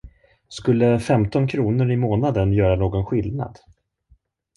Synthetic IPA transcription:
skɵlːəfɛmt̪ɔnkʰɾuːnəɾɪmoːnad̪ənjœːɾanoːɡɔnɧɪlna̰d̪

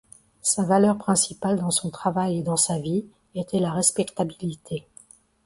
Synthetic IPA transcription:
savalœʁpχɛ̃sipald̪ɑ̃sɔ̃t̪χavajed̪ɑ̃savi | et̪ɛlaʁɛspɛkt̪abilit̪ʰe

